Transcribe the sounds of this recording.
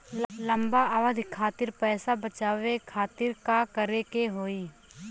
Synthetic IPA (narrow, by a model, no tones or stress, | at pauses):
lə̃mbaaʋəd̪ʱkʰaːt̪ɪɾpɛːsabət͡ʃaːʋekʰaːt̪ɪɾkakəɾekeɦoːiː